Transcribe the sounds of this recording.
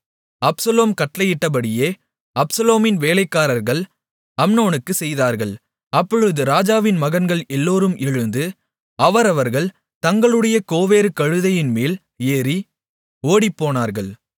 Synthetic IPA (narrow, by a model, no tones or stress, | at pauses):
ɐpsɐloːmkɐʈlɐjɪʈːɐp̬ɐɽɪjeː | ɐpsɐloːmɪnʋeːlɐɪkːaːɾɐɾɣɐɭ | ɐmnoːnɯkːɯsɛjðaːɾɣɐɭ | ɐpːɔɻɯðɯɾaːd͡ʒaːʋɪnmɐɣɐnɡɐɭɛlːoːɾɯmʔɛɻɯnd̪ɯ | ɐʋɐɾɐʋɐɾɣɐɭ | t̪ɐŋɡɐɭɯɽɐjɐkoːʋeːɾɯkɐɻɯðɐjɪnmeːl | eːɾi | oːɽipːoːnaːɾɣɐɭ